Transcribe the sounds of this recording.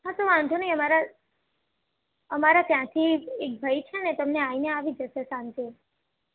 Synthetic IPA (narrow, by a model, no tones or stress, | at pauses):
ɦãt̪oʋãnd̪ʱunəiəmaɾa | əmaɾat̪jãt̪ʰiek̚bʱəit͡ʃʰenet̪əmneaineaʋid͡ʒəʃesãnt̪e